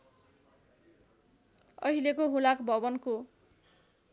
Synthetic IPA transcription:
ʌ̰ɦilekoɦulakbʱʌbʌnko

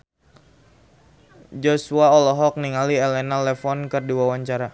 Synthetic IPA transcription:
d͡ʒɔsuaɔlɔɦɔk̚niŋaliɛlɛnalɛfɔnkərduawaɲt͡ʃaɾa

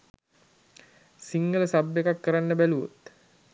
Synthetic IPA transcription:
siŋɡələsabːekakːəɾanːəbæluo̰t̪

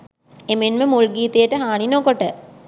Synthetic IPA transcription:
emenməmulɡiːt̪ejəʈəɦaːɳinokoʈə

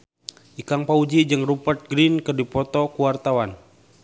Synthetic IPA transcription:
ʔikaŋpaud͡ʒid͡ʒɨŋrupərt̪̚ɡɾinkərdipɔt̪ɔkuwart̪awan

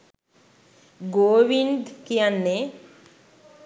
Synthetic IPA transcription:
ɡoːʋind̪kijanːe

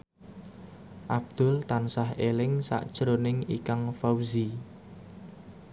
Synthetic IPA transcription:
ʔab̚d̪̥ʊ̤lt̪ansaɦelɪŋsa̰ʔd̥ʒ̥ɾonɪŋḭkaŋfawzi

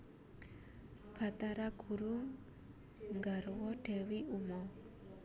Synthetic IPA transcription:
pʰat̪aɾakʰuɾuŋ | ɡaɾwɔɖɛwiumɔ

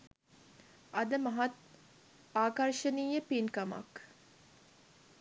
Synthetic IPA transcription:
ʔɐd̪əmɐɦɐt̪̚ | aːkɐɾʃəniːjəpinkɐma̰k

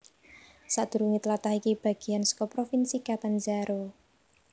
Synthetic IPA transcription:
saʔd̪̥ṳɾuŋit̪əlat̪ahikib̥a̤ɡ̥i̤jansə̥kɔpɾofinsikat̪and͡ʒaɾo

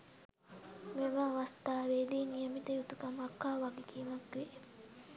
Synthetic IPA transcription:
meməaʋɐst̪aːʋeːd̪iːnijəmit̪əjut̪ukɐmɐkːaːʋaɡikiːmɐkʋe

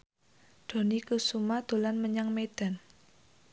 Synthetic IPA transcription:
d̪̥o̤nikusumad̪̥o̤lanməɲaŋmed̥a̤n

